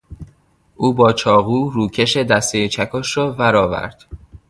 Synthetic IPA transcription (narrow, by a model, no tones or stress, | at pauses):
ʔuːbɒːt͡ʃʰɒːɣuːɾuːcʰe̞ʃed̪æst̪ejet͡ʃʰækʰɔʃrɒːfæɾɒːvæ̰ɾd̪̥